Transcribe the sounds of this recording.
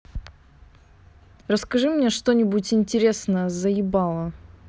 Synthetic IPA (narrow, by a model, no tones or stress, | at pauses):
rəskɐʐɨmnʲeʂt̪o̞nʲɪbutʲɪnʲtʲɪɾʲe̞snəjəzəɪbalˠə